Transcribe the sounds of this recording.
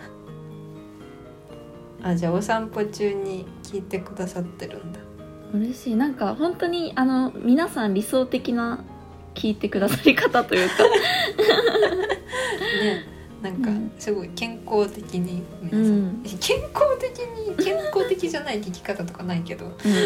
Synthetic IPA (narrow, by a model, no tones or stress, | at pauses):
ad͡ʑaːosãmpot͡ɕɨːɲ̟ikʲʰiːt̪e̞kɯ̟d̪asat̪ːe̞ɾɯ̰̃nd̪a | ɯ̟ɾe̞ɕiːnãŋkahõ̞nt̪o̞ɲ̟iʔano̞mʲinasãnɾʲiso̞ːt̪e̞kʲina | kʲʰiːt̪e̞kɯ̟d̪asaɾʲikat̪at̪o̞jɯ̟ːka | ne̞ | nãŋkasɨɡo̞ikẽ̞ŋko̞ːt̪e̞kʲiɲ̟imẽekʰẽ̞ŋkoːt̪ekʲiɲ̟ikẽ̞ŋko̞ːt̪e̞kʲid͡ʑanaikekʲi̥kat̪at̪o̞kanaike̞d̪o̞ɯ̃